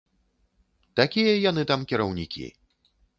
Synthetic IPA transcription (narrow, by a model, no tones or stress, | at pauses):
t̪akʲijɐjanɨt̪amkʲiɾɐwnʲḭkʲḭ